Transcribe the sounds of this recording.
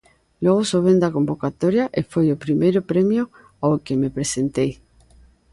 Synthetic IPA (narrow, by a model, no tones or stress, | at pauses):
lweɣosoβend̪akõmbokat̪oɾjaʔefwejopɾimejɾopɾemjo | aokemepɾesent̪ej